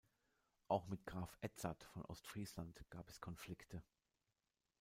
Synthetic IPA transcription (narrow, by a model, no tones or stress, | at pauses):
ʔaʊxmɪtɡ̥ʁaːfʔɛt͡satfɔnʔɔ̰ʊstfʁ̥iːslantɡ̥aːpɛskʰɔnflɪktʰə